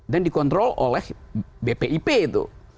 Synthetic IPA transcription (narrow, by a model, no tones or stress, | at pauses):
dɛndikɔnt̪ɾolʔɔlɛhbepeʔiped̪o̰